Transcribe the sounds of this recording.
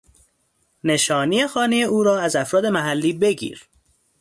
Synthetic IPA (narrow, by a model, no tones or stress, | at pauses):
ne̞ʃɒːnije̞xɒːnejeuːɾɒːæzæfɾɒːd̪e̞mæɦælːiːbe̞ɟḭːɾ